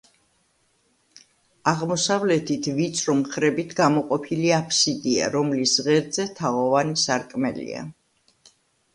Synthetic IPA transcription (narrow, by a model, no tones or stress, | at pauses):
aʁmɔsavlɛt̪ʰit̪ʰvit̪sʰʼɾɔmχɾɛbit̪ʰɡamɔqʼɔpʰiliapʰsid̪ia̰ɾɔmlisʁɛɾd̪zɛt̪ʰaʁɔvanisaɾkʼmɛ̰lḭa̰